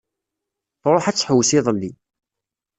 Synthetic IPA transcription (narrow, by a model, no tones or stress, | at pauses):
θɾˤoħæt͡sːħəwːsiðˤəlːi